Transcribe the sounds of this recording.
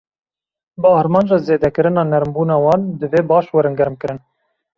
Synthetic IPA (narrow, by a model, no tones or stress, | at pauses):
bəɑːɾmɑːnd͡ʒɑːzeːd̪ɛkɨɾɨnɑːnɛɾmbuːnɑːwɑːnd̪ɨveːbɑːʃwɛɾɨnɡɛɾɨmkɨɾɨn